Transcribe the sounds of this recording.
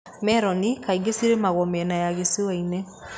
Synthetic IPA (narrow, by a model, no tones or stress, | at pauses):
mɛɾɔnikaiɡesiɾemaɣɔmɛnajaɣesiwaine